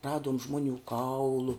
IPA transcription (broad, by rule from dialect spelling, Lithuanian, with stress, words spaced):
ˈrɑːduɔm ˈʒmoːˌnʲuː ˈkɐʊlˠʊ